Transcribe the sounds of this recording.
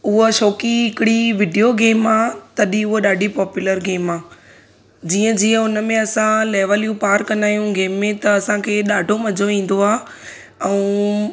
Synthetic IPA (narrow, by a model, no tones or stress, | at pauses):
ʊɦoʃoːkiɪkɪɽiʋɪɖijoɡeːmaːt̪ɐɗĩʊɦoɗaːɖʱipɔːpjʊləɾɡeːmaː | d͡ʑiːə̃d͡ʑiːə̃ʊnəmẽɐsãlɛːʋəljupaːɾkɐnaːjũɡeːmːẽt̪ɐɐsãkʰeːɗaːɖʱomɐd͡ʑʱoʋĩːn̆d̪oaː | ɛ̃ː